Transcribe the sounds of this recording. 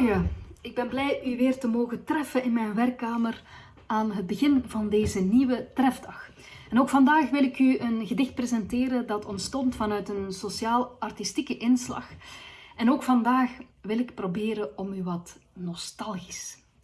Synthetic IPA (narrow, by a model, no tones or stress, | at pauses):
jaːɪɡ̚bɛnblɛjʔyʋɪːrtəmoːɣətrɛfənɪnmɛjnʋɛrkːaːmər | aːnɦəd̚bəɣɪnvɑndeːzəniʋətrɛfdɑx | ɛnoːkfɑndaːxʋɪlˠɪkyənɣədɪxt̚prezɛntɪːɾədɑtʰɔntstɔntfɑnœɥtənsosjaːlˠɑrtistikəʔɪnslɑ̰xɛnoːkfɑndaːxʋɪlɪkprobeːɾəɔmyʋɑtnɔstɑlˠɣis